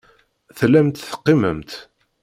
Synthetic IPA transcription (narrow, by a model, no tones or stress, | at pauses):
θlːæmt̪θə̥qːimə̰mt̪